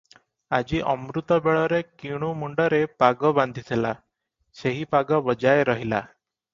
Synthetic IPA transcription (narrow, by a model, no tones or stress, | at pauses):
ad͡ʒiʔɔmɾut̪ɔbeɭɔɾekiɽ̃umuɳɖɔɾepaɡɔband̪ʱit̪ʰila | seɦipaɡɔbɔd͡ʒajeɾɔɦila